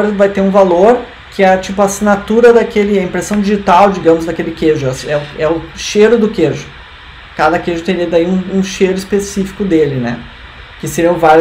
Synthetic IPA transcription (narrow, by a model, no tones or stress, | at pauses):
oɾeẽpʊvajt̪eɾũvaloɾ | kʰɪɐt͡ʃipʊasinat̪uɾɐd̪akelɪɐĩmpɾesɐ̃w̃d͡ʒiʒit̪awd͡ʒiɡɐ̃mʊzd̪ɐkelɪkeʒʊasɛʊɛʊʃeɾʊd̪ʊkeʒʊ | kad̪ɐkeʒʊt̪eɾiɐd̪aiũũʃeɾʊispesifi̥kʊd̪elɪnɛ̰ | kɪseɾĩw̃vaɾj